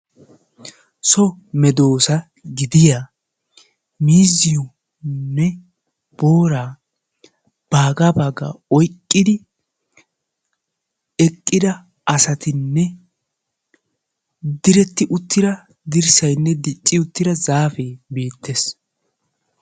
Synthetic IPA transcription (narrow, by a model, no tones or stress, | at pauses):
sɔmɛd̪o̞ːsɐ | ɡɪd̪ɪja | miːzɪjʊ | nːɛ | b̥oːɾaː | b̥aːɡaːbaːɡa̰ːɔjkʼːɪd̪ɪ | ɛkʼːɪd̪ɐ | ɐsɐt̪ɪnːɛ | d̪ɪɾɛt̪ːɪʔʊt̪ːɪd̪ɐ | d̪ɪɾsɐjnːɛd̪ɪt͡ʃʼːɪʊt̪ːɪd̪ɐzaːfeːbeːt̪ʰːes